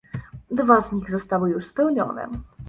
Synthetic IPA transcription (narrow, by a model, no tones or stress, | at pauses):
d̪vazɲiɣzɔst̪awɘjuʂspɛwɲɔ̰nɛ̰